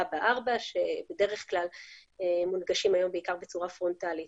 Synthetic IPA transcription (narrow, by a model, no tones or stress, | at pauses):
abaʔaʁbaʃe̞be̞de̞ʁeχklalemunɡaʃimajo̞mbeikaʁbe̞t͡suʁafʁo̞ntalit